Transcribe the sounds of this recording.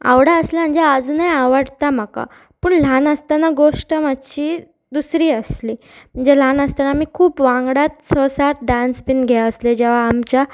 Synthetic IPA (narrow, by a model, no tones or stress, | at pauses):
a̰wɽaəslam̤əɳd͡zead͡zuːnajaʋəɽt̪am̤aka̰ | puːɳl̤anəst̪anaɡoʂʈəmat̪ɕiː | d̪usɾiːəsliː | m̤əɳd͡zelanəst̪anamiːkʰuːpʋãŋɡɽat̪̚sɔsaʈ̪̚ɖãnspinɡʱɛəsled͡ʑeʋ̤aːmt͡ɕa